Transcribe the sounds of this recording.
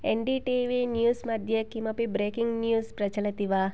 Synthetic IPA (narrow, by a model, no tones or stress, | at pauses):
enɖiʈiʋinjuːsmɐd̪ʱjekimɐpibɾeːkiŋɡnjuːspɾɐt͡ʃɐlɐt̪iʋa